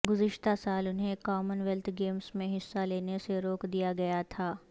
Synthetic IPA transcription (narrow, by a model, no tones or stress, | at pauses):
ɡʊzɪʃt̪asaːlʊnɦẽkaːmənʋɛlt̪ʰɡeːmsmẽɦɪsːaleːneseɾoːkd̪ijaɡɐjat̪ʰaː